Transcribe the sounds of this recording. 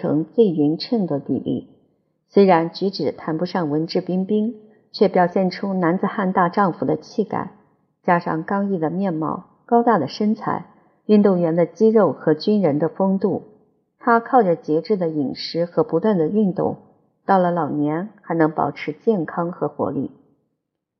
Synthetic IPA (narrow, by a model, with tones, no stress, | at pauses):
ɤ̰˧˥ŋt͡swe˥˩ɪy˧˥nʈ͡ʂʰə˥˩ŋd̪ə˩t̪ḭ˥˩lʔḭ˥˩ | swe˥ɪɻa˧˥nt͡ɕy˧˥ʈ͡ʂɻ̩˨˩t̪ʰa˧˥npu˧˥ʂɑ˥˩ŋwə˧˥nʈ͡ʂɻ̩˥˩pi˥ŋpi˥ŋ | t͡ɕʰɥɛ˥˩pjɑ˨˩ʊɕjɛ˥˩nʈ͡ʂʰu˥na˧˥nt͡sɹ̩˨˩xa˥˧nt̪a˥˧ʈ͡ʂɑ˥˩ŋfu˨˩d̪ə˦t͡ɕʰi˥˩ka̰˨˩˦ɪ | t͡ɕja˥ʂɑ̰˥˧˩ŋkɑ˥ŋi˥˩d̪ə˩mjɛ˥˧nmɑ̰˥˩ʊ | kɑ˥ʊt̪a˥˩d̪ə˩ʂə˥nt͡sʰa̰˧˥ɪ | y˥˧nt̪u˥˩ŋɥɛ˧˥nd̪ə˧t͡ɕi˥ɻo˥˩ʊxɤ˧˥t͡ɕy˥nɻə˧˥nd̪ə˧fɤ˥ŋt̪u˥˩ | t̪ʰa˥kʰɑ˥˩ʊʈ͡ʂə˨˩t͡ɕjɛ˧˥ʈ͡ʂɻ̩˥˩d̪ə˩i˨˩ŋʂɻ̩˧˥xɤ˧˥pu˧˥t̪wa˥˩nd̪ə˩y˥˧nt̪ʊ̰˥˩ŋ | t̪ɑ˥˩ʊlə˩lɑ˨˩ʊnjɛ˧˥nxa˧˥ɪnɤ˧˥ŋpɑ̰˨˩ʊʈ͡ʂʰɻ̩˧˥t͡ɕjɛ˥˩nkʰɑ˥ŋxɤ˧˥xwɔ̰˧˥lḭ˥˩